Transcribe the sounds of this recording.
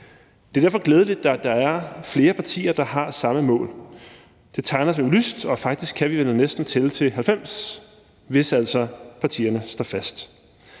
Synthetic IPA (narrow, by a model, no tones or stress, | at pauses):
d̥e̝ɐd̥æɐfɒ̽ɡ̥leːð̞ˠəled̥ːæd̥ɑ̈æɐfle̝ːɐpʰɑ̈t͡sʰḭːɐd̥ɑ̈hɑ̈sɑ̈məmɔ̰̽ːl | d̥e̝t͡sʰɑ̈ɪnɐselysd̥ɒ̽fɑ̈ɡ̥̚d̥isɡ̥kʰæʋiʋenənesd̥n̩t͡sʰe̝lt͡sʰe̝ɦælfem̰s | ʋe̝sæl̰sɒ̽pʰɑ̈t͡sʰḭːɐnəsd̥ɒ̰fæsd̥